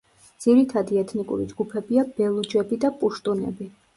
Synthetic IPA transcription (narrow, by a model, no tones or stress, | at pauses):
d̪z̥iɾit̪ʰad̪iɛt̪ʰnikʼṵɾid͡ʒɡupʰɛbiab̥ɛlˠud͡ʒɛbid̪apʼuʃt̪ʼunɛ̰bi